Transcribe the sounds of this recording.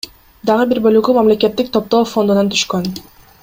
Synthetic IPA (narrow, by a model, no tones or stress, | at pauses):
d̪ɑʁɯbiɾbø̞lyɡymɑmle̞ke̞t̪ːik̚t̪ʰo̞p̚t̪oːfo̞nd̪unɑnt̪ʰy̥ʃkøn